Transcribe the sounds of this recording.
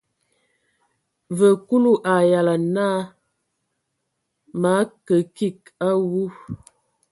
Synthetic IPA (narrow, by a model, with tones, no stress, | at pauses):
və˨ku˦lu˦ʔa˨ja˨la˨na˦ | ma˨˦kə˨ki˦˨k̚a˦wu˦